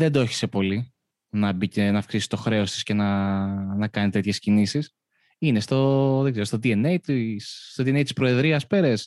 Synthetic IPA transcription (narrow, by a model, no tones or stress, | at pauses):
ðe̞nd̪oeçi̥se̞po̞li | nɐbicenɐfksisi̥t̪o̞xɾe̞o̞st̪i̥sce̞nɐnɐkɐnit̪e̞t̪çe̞scinisis | inest̪o̞ðe̞ɡze̞ɾost̪od̪ie̞nejt̪isːt̪oðie̞nejt̪i̥spɾo̞e̞ðɾiɐspe̞ɾes